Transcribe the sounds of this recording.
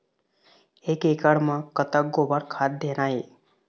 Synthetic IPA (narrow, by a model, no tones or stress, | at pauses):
ekekəɽmãkət̪ək̚ɡobəɾkʰad̪̚d̪ʱenae